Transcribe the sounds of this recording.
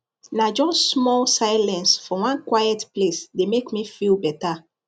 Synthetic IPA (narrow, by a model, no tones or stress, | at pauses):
nad͡ʒɔsmɔlsajlɛ̃nsfɔwãnkwajɛtplesdemekmifilbɛta